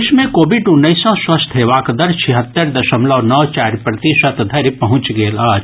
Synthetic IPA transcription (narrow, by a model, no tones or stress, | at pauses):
ʃmẽkoːbɪɖʊnːəɪsɔ̃swɐst̪ʰeːʋaːkd̪əɾt͡ʃʰiɦət̪ːəɾd̪ɐʃəmlɔːnɔːt͡ʃaːɾpɾɐt̪iʃət̪d̪ʱɐɾpɐɦʊ̃t͡ʃɡeːlaːd͡ʒ